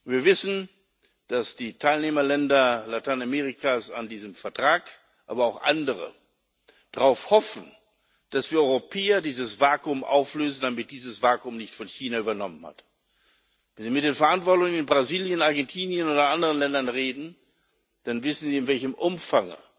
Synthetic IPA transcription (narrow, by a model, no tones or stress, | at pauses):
viːɐvɪsn̩ | d̥asd̥iːtʰaɪlneːmɐlɛndɐlatʰaɪnameːʁikʰaːsa̰ndiːzəmfɛɐtʁ̥aːk | ʔaːbɐaʊxʔa̰ndəʁ̞ə̰ | d̥aʁaʊfhɔfn̩ | d̥asv̥iːɐɔʏʁopʰɛːɐdiːzəsv̥aːkʊmʔa̰ʊfløːzn̩damɪt̚d̥iːzəsv̥aːkʊmnɪçtfɔnçiːnayːbɐnɔmənha̰t | vɛnziːmɪt̚d̥eːnfɛɐʔantv̥ɔɐtʊŋənɪnbʁaziːljənaɐɡɛntʰiːnjənoːdɐʔandəʁənlɛndɐnʁeːdn̩ | d̥anvɪsn̩ziːɪnvɛlçəmʔʊmfaŋə̰